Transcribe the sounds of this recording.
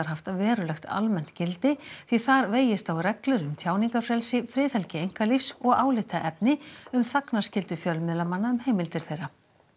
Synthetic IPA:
aɾ̥ɦaft̪aðvɛːɾʏlɛxt̪a̰lmɛn̥t̪cɪlt̪ɪθiθaɾveːjɪst̪awrɛklʏɾʏmt̪ʰjaːwniŋkafɾɛlsɪfɾɪːθɛlcɪejŋ̥kalifsɔɣaːwlɪht̪aʔɛpnɪʏmθaknaɾ̥scɪlt̪ʏfjœlmɪðlamanːaʏmhejmɪlt̪ɪɾ̥θejɾːa

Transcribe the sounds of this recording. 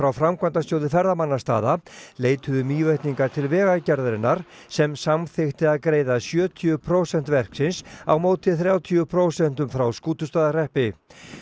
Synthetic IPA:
fɾawfɾamkʰvant̪ast̪jowðɪfɛɾðamanːast̪a̰ːðaleːjt̪ʰʏðʏmiːveht̪niŋkaɾ̥t̪ʰɪlvɛːɣacaɾðɾɪnːaɾ̥ | sɛmsamθɪxt̪ɪaðkɾeːjðasjœːt̪ʰʏpʰɾowsɛn̥t̪vɛr̥ksɪnsa̰wmoːwt̪ɪθɾjawt̪ʰiʏpʰɾowsɛn̥t̪ʏmfɾawskuːt̪ʏst̪aːðarɛhpɪ

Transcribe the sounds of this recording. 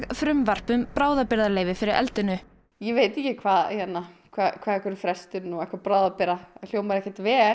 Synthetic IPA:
ɣfɾʏmvar̥pʏmpɾaːwðapɪɾðaleːjvɪfɪɾɪɾʔɛ̰lt̪ʏnʏ | jɛveːjt̪ɪcɪkʰvaːðjɛnːakʰvaðkʰvaːðɛhkɛɾɪfɾɛst̪ʏɾnuɛhkvaɾpɾaːwðapɪɾðal̥joːwmaɾɛhcat̪vɛː

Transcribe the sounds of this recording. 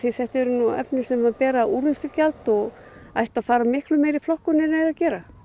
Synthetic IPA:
θiθɛht̪ɛɾʏnuɛ̰pnɪsɛmvaɾpɛːɾaʔuːɾvɪnsʏcalt̪ɔɣ | ajht̪aðfaːɾamɪhklʏmeːjɾiflɔhkʏnɛɾneːɾacɛːɾa

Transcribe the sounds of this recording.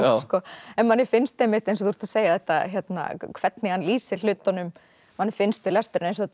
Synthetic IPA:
skɔɛnmanːɪfɪnst̪emɪht̪ejns̬ɔθuɾ̥t̪ḁseːjaðɛht̪ːa̰çjɛt̪na̰kʰv̥ɛt̪nɪɣanliːsɪl̥ʏːt̪anʏm | manːɪfɪnst̪vɪlɛst̪ɛɾɪnejns̬ɔ

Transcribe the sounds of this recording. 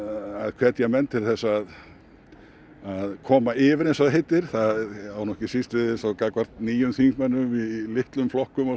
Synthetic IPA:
aðkʰv̥ɛt̪jɛɣmɛnt̪ʰɪlθɛsːaað | aðkʰɔːmaɪːvɪɾensaðɦejt̪ːɪɾ̥θaðawnɔhcɪsist̪vɪðɪθawkaːkvaɾ̥t̪niːjʏmθikmɛnːʏmilɪht̪lʏmflɔhkʏma

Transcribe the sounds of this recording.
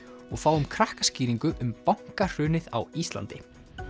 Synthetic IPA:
ɔɣfaːwʏmkʰɾahkasciːɾiŋkʏʔʏmpawŋ̥kar̥ʏːnɪða̰wist̪la̰nt̪ɪ

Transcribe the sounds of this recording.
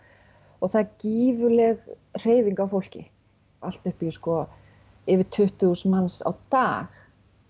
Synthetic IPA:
ɔɣθaðciːvʏlɛɣ | r̥eːjviŋkawfowl̥cɪ̰ | al̥t̪ʏhpi̥skɔ | ɪvɪɾt̪ʰʏht̪ʏusmansa̰wt̪aːx

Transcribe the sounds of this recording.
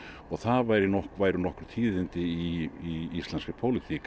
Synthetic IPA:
ɔɣθaðvajɾɪnɔhkvaːjɾʏnɔhkʏɾ̥t̪ʰiːðɪnt̪ɪiiist̪lɛnskɪpʰowlɪt̪ʰik

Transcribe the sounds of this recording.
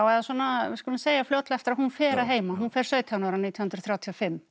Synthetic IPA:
awɛðaswɔnaɪskɔlɪmseːjaflowt̪lɛft̪ɪɾahunfɛːɾaɦeːjmaɦunfɛɾ̥sœːɥt̪ʰanɔɾaniːt̪jnhʏnɾθɾjaːwt̪ʰjɔfɪmː

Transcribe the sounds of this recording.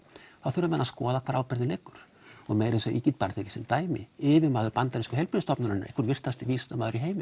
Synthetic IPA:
θawθʏɾʏmɛðnːaskɔːðakʰvaːɾawpɪɾðɪleːkʏɾ̥ | ɔɣmɛːjɾɪsɛʔiːcɪt̪paːɾt̪ʰɛcɪ̥sɛmt̪aːjmɪ̰ɪvɪɾmaːðʏɾpant̪aɾɪnskʏ̥ɛlpɾɪnɪst̪ɔpnʏɾɪnːɾḛjkʰʏɾvɪr̥t̪ast̪ɪviːst̪amaːðʏɾiɦeːjmɪ

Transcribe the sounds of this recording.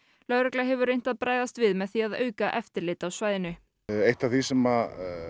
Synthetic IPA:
lœðɾɛklaɦɛvʏɾejn̥t̪aðpɾaːjðast̪vɪðmɛðθiaðœ̰ːɥkaʔɛft̪ɪɾlɪːt̪awsvaːjðɪnʏ | ejht̪aθisɛma

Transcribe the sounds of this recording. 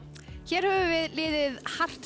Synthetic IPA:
çɛːɾ̥hœvʏvɪðlɪːðɪðhar̥t̪

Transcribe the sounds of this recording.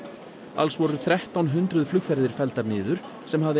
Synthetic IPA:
a̰lsvɔɾʏθɾɛht̪awnɦʏnt̪ɾʏðflʏkfɛɾðɪɾ̥fɛlt̪aɾnɪːðʏɾ̥ | sɛmhavðɪ

